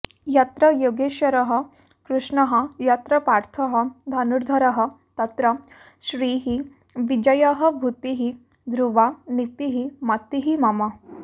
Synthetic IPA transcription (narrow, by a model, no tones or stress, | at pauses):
jɐt̪ɾɐjoɡeʃɐɾɐɦɐ | kɾuʂɳɐɦɐjɐt̪ɾɐpaːɾt̪ʰɐɦɐd̪ʱɐnuɾd̪ʱɐɾɐɦə̆ | t̪ɐt̪ɾɐ | ʃɾiːɦi | ʋid͡ʒɐjɐɦɐ̆bʱut̪iɦi | d̪ɾuʋanit̪iɦimɐt̪ːiɦimɐma